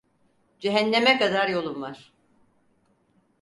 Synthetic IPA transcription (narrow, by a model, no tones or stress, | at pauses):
d͡ʒeɦænːemɛkad̪aɾjo̞lˠumvaɾ̥